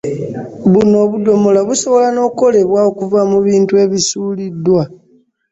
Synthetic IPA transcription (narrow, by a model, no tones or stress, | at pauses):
βuno̞ːβudo̞mo̞laβuso̞βo̞lano̞ːko̞le̞βwaokuvamuβiːntue̞βisuːlidːwa